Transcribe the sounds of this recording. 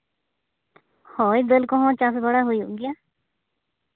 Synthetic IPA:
hoid̪əlkɔɦɔ̃t͡ʃasbəɽaɦoiṵɡɪjaː

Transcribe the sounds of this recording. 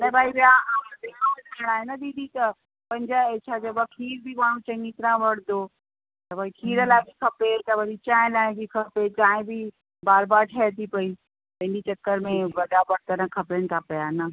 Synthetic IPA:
nɐ̃bʱaːibjaãːd̪ekaːɐkʰɐɽ̃aːenɐd̪iːd̪ʱit̪ɐ | pɐ̃ɦɲd͡ʑaet͡ɕʰad͡ʑɐbɐkʰiːɾbʱimaːɽ̤̃ũt͡ɕɐ̃ŋɡit̪ɾãʋɐɽd̪o | t̪ɐbʱaːikʰiːɾəlaːɪbʱikʰɐpet̪ɐʋɐɗit͡ɕãːɦɪ̃laːɪ̃bʱikʰɐpet͡ɕãːɦɪ̃bʱɪ | baːɾbaːɾʈʰɛːt̪ʰipɐi | tɐɪ̃nit͡ɕɐkːəɾmẽʋɐɗabɐɽt̪ɐɾə̃kʰɐpəɽ̃t̪ʰapɐjanɐ

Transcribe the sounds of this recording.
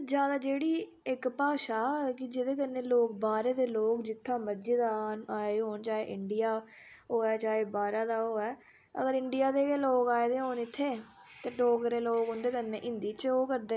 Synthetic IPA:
d͡ʒjaːd̪aːd͡ʒeːɽiː | ɪkpaːʃaːkɪd͡ʒɪd̪eːk̬ənːẽːloːk̚baːɾeːd̪eːloːkd͡ʒɪt̪ʰːãːməd͡ʒeːd̪aːaːeːɦoːnt͡ʃaːɦeːʔɪɳɖijaː | ɦoːɛːt͡ʃaːɦeːbaːɾaːd̪aːoːɛː | ə̰ɡəɾɪɳɖijaːd̪eːloːkaːeːd̪eːɦoːnɪt̪ʰːeː | t̪eːɖoːkɾeːloːkʊ̃nd̪eːkənːẽːʔɪ̃nd̪iːt͡ʃoːkəɾd̪eː

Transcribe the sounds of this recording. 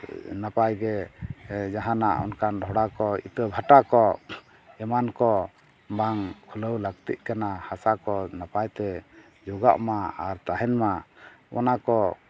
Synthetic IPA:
napajɡɛ | d͡ʒaɦanaʔɔ̰nkanɖʱɔɽakɔḭt̪əbʱaʈakɔ | ɛmankɔ | baŋkʰuləwləɡ̚t̪ḭʔ̪̚ˀkanahasakɔnapajt̪ɛ | d͡ʒoɡa̰ʔmaaɾt̪aɦɛnmaʔɔ̰nakɔ

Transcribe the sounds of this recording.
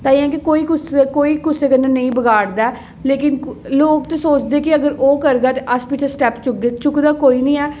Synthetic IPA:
t̪aːiːɛ̃kikoːiːkʊsekoːiːkʊseːkənːeːnəĩːbəɡaːɽd̪aɛː | leːkɪnloːkt̪esoːt͡ʃd̪eːkɪəɡəɾoːkəɾɡ̪aːt̪eʔəspit͡ʃʰesʈɛːpt͡ʃʊk̚ɡet͡ʃʊkd̪aːkoːiːnəĩːɛː

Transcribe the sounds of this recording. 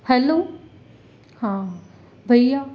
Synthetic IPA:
hɛloː | hãː | bʱɐjja

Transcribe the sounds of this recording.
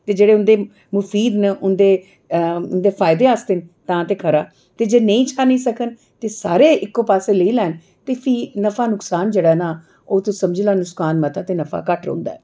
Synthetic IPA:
t̪eːd͡ʒeːɽeːʊnd̪eː | mʊfʰiːd̪nəʔʊnd̪eː | ʊnd̪eːfʰaːɪd̪eːaːst̪eːnt̪ãːt̪eːkʰəɾaː | t̪eːd͡ʒeːnəĩːt͡ʃʰaːnəĩːsəkən | t̪eːsaːɾeːɪkːõːpaːseːləiːlɛːn | t̪eːpʰiːnəfaːnʊksaːnd͡ʒeːɽaːnaː | oːt̪õsəmd͡ʒlaːnʊskaːnmət̪aːt̪eːnəfʰa̰ːkəʈɾõ̰ːnd̪aːɛː

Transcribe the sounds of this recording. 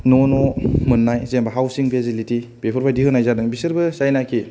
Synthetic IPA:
nɔnɔmɯnːajzembaɦawsiŋpʰezilitibepʰuɾbajdiɦɯnajzadɯŋbisɯɾbɯsajnakʰi

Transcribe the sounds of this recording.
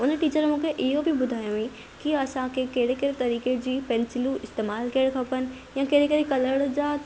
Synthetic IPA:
ʊnəʈiːt͡ɕəɾmũːkʰeʔɪɦobɪbʊd̪ʱaːjõĩ | kiɐsãkʰekeɦɪɽekɐɾet̪ɐɾiːked͡ʑiːpɛ̃nsɪluɪst̪eːmaːlkijɽ̃kʰɐpənɪ̆ | jãkeɦɽekɐɾekɐləɽd͡ʑa

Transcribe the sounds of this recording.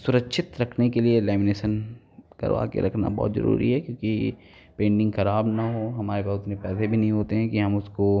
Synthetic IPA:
sʊɾəkʃʰɪt̪ɾɐkʰnekelielɛːmɪneːʃən | kɐ̰ɾʋa̰ːkḛɾɐkʰna̰bɔ̰ːt̪zɐ̰ɾṵːɾḭɦɛkjõːkḭ | pẽːɳɖɪ̃ŋɡxɐɾaːbnaɦoːɦɐmaːɾebɐɦʊt̪nẽpɛːsebʱinɐɦĩɦoːt̪eɦɛ̃kiɦɐmʊsko

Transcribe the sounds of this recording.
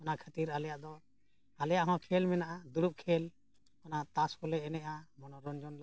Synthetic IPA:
ɔnakʰat̪iɾalɛjaʔd̪ɔ | alɛjaʔɦɔ̃kʰɛlmɛnaʔad̪uɽup̚kʰɛl | ɔnat̪askɔlɛɛnɛʔamɔnɔɾɔnd͡ʒɔnla

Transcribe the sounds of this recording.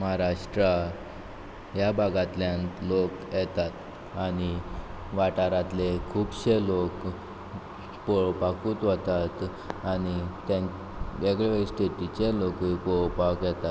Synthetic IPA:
məɦaɾaʂʈɾa | jabʱaɡat̪ljãnt̪lokjɛt̪at̪ | aɽ̃i | ʋaʈaɾat̪lekʰuːbɕelok | pɔɭpakuːt̪ʋɔt̪at̪ | añit̪ãn | eɡɭesʈeʈit͡ɕelokipɔɭpakjɛt̪at̪

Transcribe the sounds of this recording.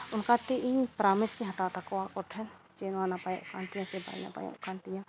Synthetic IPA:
ʊnkat̪iʔiɲpɾaːmɪsiɦɐt̪at̪akowakɔʈʰɛnt͡ʃenwaːnapajã̰kaːnt̪ijãt͡ʃeba̰ːḭna̰pa̰jã̰kaːnt̪ijã

